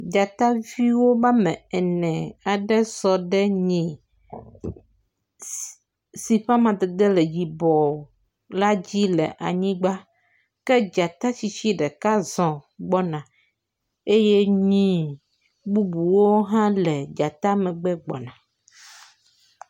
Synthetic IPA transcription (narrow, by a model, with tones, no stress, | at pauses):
d͡ʒa˨t̪a˦vi˦wo˦ba˦mɛ̃˨ɛ˨nɛ̃˨a˨ɖɛ˦sɔ˨ɖɛ˦ɲĩ˨ | si˨ɸa˦mã˨d̪ɛ˨d̪ɛ˦lɛ˨d͡ʑi˨bɔ˨ | la˦d͡ʑi˦lɛ̰˨ʔa̰˨ɲĩ˦ɡ͡ba˦ | kɛ˦d͡ʒa˨t̪a˦t͡ɕi˨t͡ɕi˦ɖɛ˨ka˦zɔ̃˨ɡ͡bɔ˦nã˨ | e˦je˦ɲĩ˦ | bu˦bu˨wo˦ɦã˦lɛ˨d͡ʒa˨t̪a˦mɛ̃˨ɡ͡bɛ˦ɡ͡bɔ̰˨nã˨